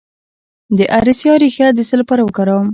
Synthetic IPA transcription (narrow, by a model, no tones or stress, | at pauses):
d̪əʔaɾisjɑɾixjad̪əsəlapɑɾawəkaɾɑm